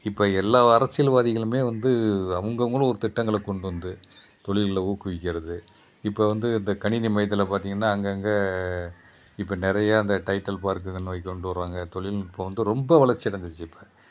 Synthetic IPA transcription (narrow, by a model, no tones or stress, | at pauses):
ɪpːɐɛlːaːɐɾɐsːɪjɐlʋaːðɪɣɐɭɯmeːʋɐnd̪ɯɐʋɐŋɡɐʋɐŋɡɐɭɔɾɯt̪ɪʈːɐŋɡɐɭɐkɔɳɖɯʋɐnd̪ɯt̪ɔɭɪlɪlɐuːkɯʋɪkʲːɪɾɐðɯ | ɪpːɐʋɐnd̪ɯɪnd̪ɐkɐɳɪnimɐjɐt̪̬ːɪlɐpaːɾt̪iːŋɡɐnːaːɐŋɡɐŋɡe | ɪpːɐnɛɾɐjaɪnd̪ɐʈɐɪʈːɐlpaːɾkɯɐnːʋɐɪkːɔɳɖɯʋɐɾʋaːŋɡɐt̪ɔɭɪlɪpːɐʋɐnd̪ɯɾɔmbɐʋɐɭɐɾt͡ʃːɪɐɽɐnd̪ɯt͡ʃːɯpːɐ